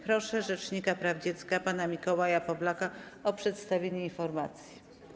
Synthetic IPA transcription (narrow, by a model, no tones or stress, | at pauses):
pɾɔʂɛʐɛt͡ʂɲikapɾavd͡ʑɛt̪skapanamʲikɔwajapɔblakaɔpʂɛt̪st̪avʲeɲɛinfɔɾmat̪sʲji